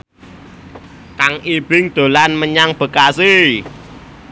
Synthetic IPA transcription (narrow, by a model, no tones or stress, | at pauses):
kaŋib̥ɪŋd̪̥o̤lanməɲaŋb̥ə̤kasi